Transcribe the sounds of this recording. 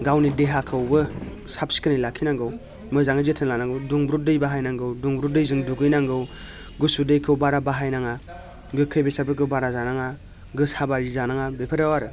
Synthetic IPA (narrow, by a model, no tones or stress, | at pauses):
ɡawnideɦakʰɯwbɯ | sapsi̥kʰɯnilakʰinaŋɡɯw | mɯzaŋazetʰɯnlanaŋɡɯwduŋbɾudɯjbaɦajnaŋɡɯwduŋbɾudɯjzɯŋduɡɯjnaŋɡɯw | ɡɯsudejkʰɯwbaɾabaɦajnaŋa | ɡɯkʰəjbesapɯkʰɯwbaɾazanaŋa | ɡɯsabaɾizanaŋabepʰɯɾawaɾɯ